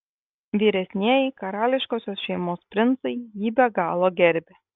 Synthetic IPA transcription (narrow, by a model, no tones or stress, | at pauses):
ʋʲiːɾʲɛsʲnʲiɛːjɛkɐɾɑːlʲɪʃkoːsʲoːsʃʲɛɪmoːspʲɾʲɪnt̪sɐɪjiːbʲɛɡɑːlˠoːɡʲɛɾʲbʲɪ